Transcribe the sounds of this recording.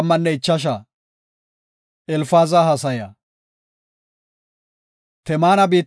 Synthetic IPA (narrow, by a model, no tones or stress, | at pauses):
mːɐnːɛɪt͡ʃːɐʃ̬a | ɛlfaːzahɐsɐjɐ | t̪ɛmaːnɐbiːt̪